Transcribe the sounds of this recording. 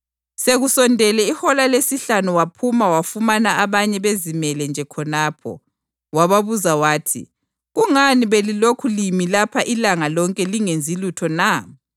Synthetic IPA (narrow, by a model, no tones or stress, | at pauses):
seɣusɔndʱɛlɛihɔlalesiɬanuwapʰumawafumanaaβaɲɛβezimɛlɛnd͡ʒʱɛkʰɔnaːpʰɔ̰ | waβaβuzawaːtʰḭ | ɣuŋaniβelilokʰulimilapʰaʔilaŋalɔŋkʼɛliŋend͡zʱilutʰɔna